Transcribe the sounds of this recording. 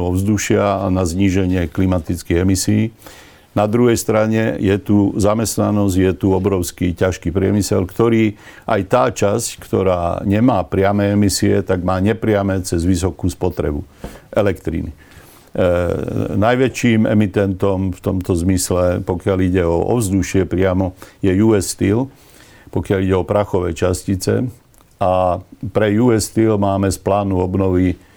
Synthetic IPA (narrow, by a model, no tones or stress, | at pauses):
ɔvzd̪uʃɪanazɲiːʒɛɲɪɛklimat̪it͡skiɣɛmisiiː | nad̪ɾuɦɛjst̪ɾaɲɛjɛt̪uzamɛst̪nanɔzɟjɛt̪uɔbɾɔʊskicaʃkiːpɾɪɛmisɛ̰lkt̪ɔɾiːʔajt̪aːt͡ʃasckt̪ɔɾa̰ːɲɛmaːpɾɪamɛːɛmisiɛ̰t̪aɡmaːɲɛpɾɪamɛːt͡sɛzʋisɔkuːspɔt̪ɾɛ̰bu | ʔɛlɛkt̪ɾḭnḭ | najʋɛt͡ʃiːmɛ̰mit̪ɛnt̪ɔmft̪ɔmt̪ɔzmislɛpɔkɪaliɟɛɔɔ̰vzd̪uʃɪɛpɾɪamɔjɛjuɛst̪il | pɔkɪaliɟɛɔpɾaxɔʋɛːt͡ʃascit͡sɛ̰ | apɾɛjuɛst̪ilmaːmɛsplaːnuɔbnɔʋi